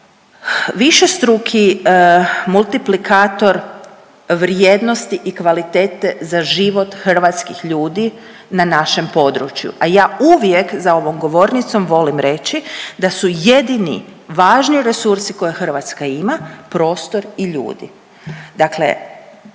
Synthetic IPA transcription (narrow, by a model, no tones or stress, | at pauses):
ʋiʃest̪ɾukʰi | mulˠt̪iplikʰaːt̪o̞ɾ | ʋɾjed̪no̞st̪iʔikʋalit̪eːt̪e̞zaʒiʋo̞t̪xr̩ʋat̪skixʎuːd̪i | nanaʃe̞mpo̞d̪ɾṵt͡ʃjṵʔajaːuʋjekzao̞ʋo̞mɡo̞ʋo̞ːɾnit̪so̞mʋo̞limɾe̞t͡ʃid̪asuje̞d̪inḭ | ʋaːʒniɾe̞suɾsiko̞jexrʋat̪skaimapɾo̞ːst̪o̞ɾiʎṵːd̪ḭ | d̪aklḛ